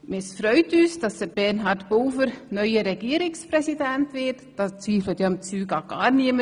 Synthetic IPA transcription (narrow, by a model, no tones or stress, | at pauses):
mɪsfɾœʏtyːsd̥ɑsd̥əbɛrnɦɑɾtboːfəɾnœʏəɾɛɡ̥iəɾɪkspɾɛsidɛntvɪtd̥ɑːst͡sʋiːflətjɑɪmt͡syːɡɑɡ̥ɑːɾniəmə